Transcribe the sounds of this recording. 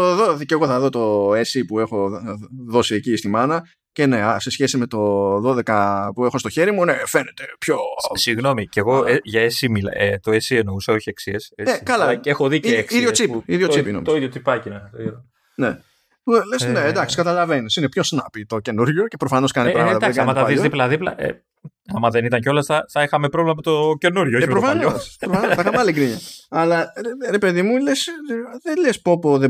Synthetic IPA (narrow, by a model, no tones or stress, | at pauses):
t̪oðoðiceɣo̞θɐðo̞t̪o̞esipue̞xo̞ðo̞siecist̪imɐnɐ | ce̞ne̞ɐsesçe̞sime̞t̪o̞ðo̞ðe̞kɐpue̞xo̞st̪oçe̞ɾimunefe̞ne̞t̪e̞pço̞siɣno̞miceɣoeʝɐesimilet̪o̞esieno̞usɐo̞çieksieseekɐlɐexoðiiekiðʝot͡siiðjo̞t͡sipinomiiðjot͡sipɐcinɐ | ne | lesned̪ɐksi̥kɐt̪ɐlɐve̞nisinepçosnɐpit̪oce̞nuɾʝoce̞pɾofɐno̞skɐniɐd̪ɐsɐɐmɐt̪ɐðizðiplɐðiplɐ̰ʔḛ | ɐmɐðe̞nit̪ɐɲceo̞lɐsθɐθɐixɐmepɾo̞vlemɐmet̪oce̞nuɾʝoeimpɾofɐnospɾofɐnoexɐmpɐliɡɾiɲɐɐlɐɾe̞pe̞ðimulesðelespopoðe